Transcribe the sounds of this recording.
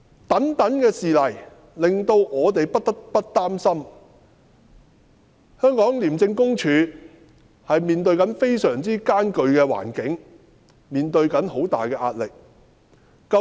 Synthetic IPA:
t̪ɐ˨˥ŋt̪ɐ˨˥nkɛː˧siː˨lɐ˨˩j | lɪ˨ŋt̪o˧wʔɔː˨˧t̪e˨jpɐ˥t̪ɐ˥k̚pɐ˥t̚t̪aː˥msɐ˥m | hœː˥ŋkɔː˨˥ŋliː˨˩mt͡sɪ˧ŋkʊ˥ŋt͡ʃʰyː˨˧ | hɐ˨jmiː˨nt̪ɵ˧ɥkɐ˨˥nfe˥jsœː˨˩ŋt͡siː˥kaː˥nkɵ˧ɥkɛː˧wa̰ː˨˩nkɪ˨˥ŋ | miː˨nt̪ɵ˧ɥkɐ˨˥nho˨˥wt̪a̰ː˨jkɛː˧ʔaː˧t̚lɪ˨k̚ː | ɐ˧

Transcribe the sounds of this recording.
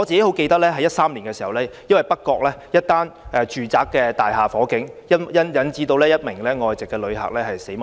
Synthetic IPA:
ŋɔ˨˧t͡siː˨ke˨˥jho˨˥wke˧jt̪ɐ˥lɛː˥ɦɐ˨jɐ˥t̚saː˥mli˨˩nkɛː˧siː˨˩hɐ˨˩wlɛː˥jɐ˥nwɐ˨˩jpɐ˥k̚kːɔː˧k̚lɛː˦˥jɐ˥t̚t̪aː˥nʔɛ˨˧t͡ʃyː˨t͡saː˨kːɛː˧t̪aː˨jɦaː˨fɔː˨˥kɪ˨˥ŋjɐ˥jɐ˥njɐ˨˥nt͡siː˥t̪o˧wlɛː˥jɐ˥t̚mɪ˨˩ŋlɛː˥ŋɔː˨˧jt͡sɪ˨kːɛ˧lɵ˨˧ɥhɐ̰˨k̚lɛː˦˥hɐ˨jse˨˥m

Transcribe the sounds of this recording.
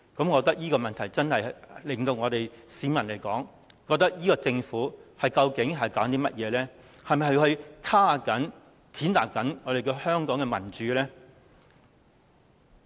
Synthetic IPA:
kɐ˨˧˥mkɔː˨˧k̚t̪ɐ˥k̚jiː˥kɔː˧mɐ˨nt̪ʰɐ˨˩jt͡sɐ˥nhɐ˨jlɪ˨˩ŋt̪o˧wŋɔː˨˧t̪e˨jsiː˨˧mɐ˨˩nle˨˩jkɔː˨˥ŋ | kɔː˧k̚t̪ɐ˥k̚jiː˥kɔː˧t͡sɪ˧ŋfuː˨˥hɐ˨jkɐ˧wkɪ˨˥ŋɦɐ˨˩jkaː˨˥nt̪iː˥mɐ˥t̚jɛː˨˧lɛː˥ | hɐ˨jmɐ˨jhɵ˧hɵ˧ɥkʰaː˥a˨kɐ˨˥n | t͡sʰiː˨˥nt̪a̰ː˨k̚kːɐ˨˥nŋɔː˨˧t̪e˨jkɛː˧hœː˥ŋkɔː˨˥ŋkɛ˧mɐ˨˩nt͡ʃyː˨˧˥lɛː˥

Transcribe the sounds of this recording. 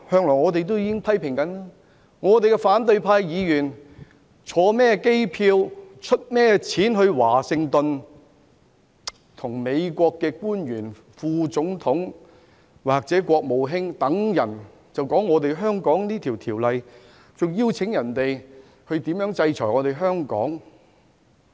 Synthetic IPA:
hœː˧ŋlɔː˨˩ŋɔː˨˧t̪e˨jt̪̬o˥wjiː˨˧kɪ˥ŋpʰɐ˥jpʰɪ˨˩ŋkɐ˨˥naː˥ | ŋɔː˨˧t̪e˨jkɛ˧faː˨˥nt̪ɵ˧ɥpʰaː˧jjiː˨˧jyː˨˩n | t͡ʃʰɔː˨˧mɛː˥ke˥jpʰiː˧wt͡ʃʰɵ˥t̚mɛː˥t͡sʰiː˨˥nɦɵ˧ɥwaː˨˩sɪ˧ŋt̪ɵ˨n | t̪ʰʊ˨˩ŋme˨˧jkʷɔː˧kːɛː˧kuː˥njyː˨˩n | fuː˧t͡sʊ˨˥ŋt̪ʰʊ˨˥ŋ | waː˨˩k̚t͡sɛː˨˥kʷɔː˧k̚mo˨wɦɪ˥ŋt̪ɐ˨˥ŋjɐ˨˩n | t͡sɐ˨wkɔː˨˥ŋːɔː˨˧t̪e˨jɦœː˥ŋkɔː˨˥ŋniː˥t̪ʰiː˨˩wt̪ʰiː˨˩wlɐ˨j | t͡sʊ˨ŋjiː˥wt͡sʰɪ˨˥ŋjɐ˨˩nt̪e˨j | hɵ˧ɥt̪i˨˥mjœː˨˥ŋt͡sɐ˧jt͡sʰɔː˨˩jŋɔː˨˧t̪e˨˩jɦœː˥ŋkɔ̰ː˨˥ŋ

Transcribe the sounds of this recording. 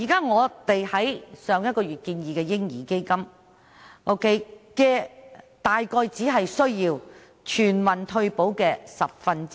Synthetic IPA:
jiː˨˩kaː˥ŋɔː˨˧t̪e˨jhɐ˨˥jsœː˨˧ŋjɐ˥t̚kɔː˧jyː˨˩t̚kiː˧njiː˨kɛː˧jɪ˥ŋjiː˨˩ke˥jkɐ˥m | ŋɔ˨˧wke˧jkɛː˧ | t̪aː˨jkɔː˧jt͡siː˨˥ɦɐ˨jsɵ˥ɥjiː˧w | t͡ʃʰyː˨˩nwɐ˨nt̪ʰɵ˧ɥpo˨˥wkɛː˧sɐ˨p̚fɐ˧nt͡s

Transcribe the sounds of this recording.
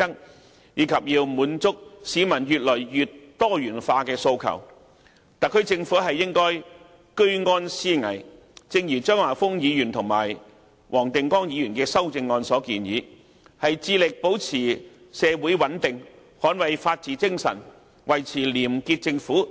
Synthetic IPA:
ɐ˥ŋ | jiː˨˧kʰɐ˨p̚jiː˧wmuː˨˧˥nt͡sʊ˥k̚siː˨˧mɐ˨˩njyː˨t̚lɔː˨˩jjyː˨tt̪ːɔː˥jyː˨˩nfaː˧kɛː˧so˧wkʰɐ̰˨˩w | t̪ɐ˨kʰɵ˧ɥt͡sɪ˧ŋfuː˨˥ɦɐ˨jːɪ˥ŋkɔː˥j | kɵ˥ɥŋɔː˥nsiː˥ŋɐ̰˨˩j | t͡sɪ˧ŋjiː˨˩t͡ʃœː˥ŋwaː˨˩fʊ˥ŋjiː˨˧jyː˨˩nt̪ʰʊ˨˩ŋma̰ː˨˩j | wʔɔː˨˩ŋt̪ɪ˨ŋkɔː˥ŋjiː˨˧jyː˨˩nkɛː˧sɐ˥wt͡sɪ˧ŋːɔː˧nsɔː˨˥kiː˧njiː˨˧˥ | hɐ˨jt͡siː˧lɪ˨k̚po˨˥wt͡sʰiː˨˩ | sɛː˨˧wuː˨˥jwɐ˨˥nt̪ɪ˨ŋ | hɔː˨˥nwɐ˨jfaː˧t̚t͡siː˨t͡sɪ˥ŋsɐ̰˨˩n | wɐ˨˩jt͡sʰiː˨˩liː˨˩mkiː˧t̚t͡sɪ˧ŋfuː˨˥

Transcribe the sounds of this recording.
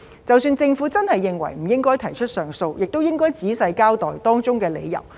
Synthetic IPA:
t͡sɐ˨wsyː˧nt͡sɪ˧ŋfuː˨˥t͡sɐ˥nhɐ˨jːɪ˨ŋwɐ̰˨˩jm̩˨˩jɪ˥ŋkɔː˥jt̪ʰɐ˨˩jt͡ʃʰɵ˥t̚sœː˨ŋso˧wjɪ˨k̚t̪o˥wjɪ˥ŋkɔː˥jt͡siː˨˥sɐ˧jkaː˥wt̪ɔː˨jt̪ɔː˥ŋt͡sʊ˥ŋkɛː˧lḛ˨˧jjɐ̰˨˩w

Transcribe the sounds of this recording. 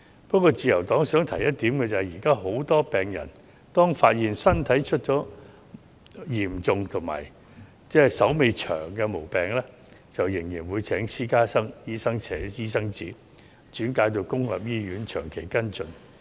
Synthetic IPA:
pɐ˥kɔː˧t͡siː˨˧jɐ˨˩wt̪ɔː˨˥ŋsœː˨˥ŋt̪ʰɐ˨˩jɐ˥t̚t̪iː˨˥mkɛ˧t͡sɐː˨jiː˨˩kaː˥ɦo˨˥wt̪ɔː˥pɛː˨ŋjɐ̰˨˩n | t̪ɔː˥ŋfaː˧t̚jiː˨nsɐ˥nt̪ʰɐ˨˥jt͡ʃʰɵ˥t̚t͡ʃɔː˨˥ | jiː˨˩mt͡sʊ˨ŋt̪ʰʊ˨˩ŋma̰ː˨˩j | t͡sɛː˥sɐ˨˥wme˨˧jt͡ʃʰœ̰ː˨˩ŋkɛː˧mo˨˩wpɛː˨˩ŋlɛː˥ | t͡sɐ˨wjɪ˨˩ŋjiː˨˩nwuː˨˧jt͡sʰɛː˨˥ŋsʰiː˥kaː˥sɐ˥ŋjiː˥sɐ˥ŋt͡sʰɛː˨˥iː˥sɐ˥ŋt͡siː˨˥ | t͡ʃyː˨˥nkaː˨˥jt̪̬o˧wkʊ˥ŋla̰˨p̚jiː˥jyː˨˥nt͡ʃʰœː˨˩ŋkʰe˨˩jkɐ˥nt͡sɵ˧n

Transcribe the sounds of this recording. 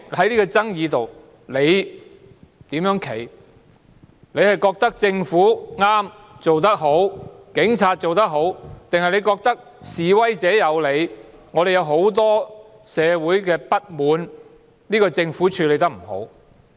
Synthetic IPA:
hɐ˨˥jliː˥kɔː˧t͡sɐ˥ŋjiː˨˧t̪o˨w | le˨˧j | t̪iː˨˥mjœː˨˥ŋkʰe˨˩j | le˨˧jhɐ˨jkɔː˧k̚t̪ɐ˥k̚t͡sɪ˧ŋfuː˨˥ŋaː˥m | t͡so˨wt̪ɐ˥k̚ɦo˨˥wkɪ˨˥ŋt͡sʰaː˧t̚t͡so˨wt̪ɐ˥k̚ɦo˨˥wt̪ɪ˨ŋhɐ˨jle˨˧jkɔː˧k̚t̪ɐ˥k̚ | siː˨wɐ˥jt͡sɛː˨˥jɐ˨˧wle˨˧j | ŋɔː˨˧ɾe˨jɐ˨˧wɦo˨˥wt̪ɔː˥ | sɛː˨˧wuː˨˥jkɛː˧pɐ˥t̚muː˨˧n | liː˥kɔː˧t͡sɪ˧ŋfuː˨˥t͡ʃʰyː˧le˨˧jt̪ɐ˥k̚m̩˨˩ho̰˨˥w

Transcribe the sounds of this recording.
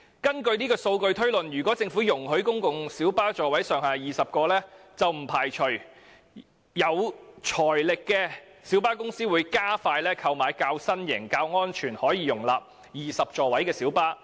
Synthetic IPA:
kɐ˥nkɵ˧ɥniː˥kɔː˧so˧wkɵ˧ɥt̪ʰɵ˥ɥlɵ˨˩njyː˨kɔ˨˥t͡sɪ˧ŋfu˨˥jʊ˨˩ŋɦɵ˨˥ɥkʊ˥ŋkʊ˨ŋsiː˨˥wpaː˥t͡ʃɔː˨wɐ˨˥jsœː˨ŋhaː˨jiː˨sɐ˨p̚kɔː˧lɛː˥t͡sɐ˨wm̩˨˩pʰaː˨˩jt͡ʃʰɵ˨˩ɥ | jɐ˨˧wt͡ʃʰɔː˨˩jlɪ˨kːɛː˧ | siː˨˥wpaː˥kʊ˥ŋsiː˥wuː˨˧jkaː˥faː˧jlɛː˥kʰɐ˧wmaː˨jkaː˧wsɐ˥njɪ˨˩ŋkaː˧wŋɔː˥nt͡ʃʰyː˨˩nhɔː˨˥jiː˧jʊ˨˩ŋla̰ː˨p̚ | jiː˨sɐ˨p̚t͡ʃɔː˨wɐ˨˥jkɛː˧siː˨˥wpaː˥

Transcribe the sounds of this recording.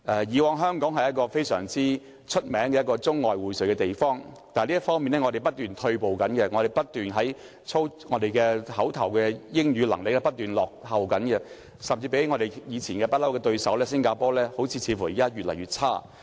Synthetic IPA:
ʔɛː˨jiː˨˧wɔː˨˧ŋɦœː˥ŋkɔː˨˥ŋɦɐ˨jɐ˥t̚kɔː˧fe˥jsœː˨˩ŋt͡siː˥ | t͡ʃʰɵ˥t̚mɛː˨˥ŋkɛː˧jɐ˥tkɔː˧t͡sʊ˥ŋːɔː˨jwuː˨˩jsɵ˨ɥkɛː˧t̪e˨˩jfɔː˥ŋt̪aː˨liː˥jɐ˥tfɔː˥ŋmi˨nɛː˥ŋɔ˨˧d̪e˨˩jpɐ˥t̚t̪yː˨˩nt̪ʰɵ˧ɥpo˨wkɐ˨˥nkɛ˧ŋɔː˨˧ɾe˨jpɐ˥t̚t̪yː˨nɦɐ˨˥j | t͡sʰo˥wŋɔː˨˧d̪e˨jkɛː˧hɐ˨˥wt̪ʰɐ˨˩wkɛː˧jɪ˥ŋjyː˨˧lɐ˨˩ŋlɪ˨k̚lɛ˥pɐ˥t̚t̪yː˨˩nlɔː˨k̚hɐ˨wkɐ˨˥nkɛ˧ | sɐ˨mt͡siː˧pe˨˥jŋɔː˨˧ɾe˨jjiː˨˧t͡sʰiː˨˩nkɛː˧pɐ˥t̚lɐ˥wkɛː˧t̪ɵ˧ɥsɐ˨˥wlɛː˥sɪ˥ŋkaː˧pɔː˥lɛː˥ho˨˥wt͡sʰiː˨˧t͡sʰiː˨˧fu˨˩jiː˨˩kaː˥jyː˨t̚lɐ˨˩jɥːt̚t͡sʰaː˥

